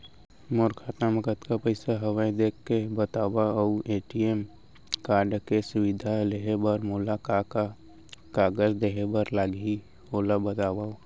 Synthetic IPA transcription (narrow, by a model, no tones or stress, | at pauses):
moɾkʰaːt̪naməkət̪kapəɪsaɦəwaĩd̪eːkʰkebət̪aːwauʔeːʈiem | kaːɾɖkesʊʋɪd̪ʱaleɦebəɾmoːlakaa | kaːɡəd͡ʒd̪eɦebəɾlaːɡi | oːlabət̪aːwau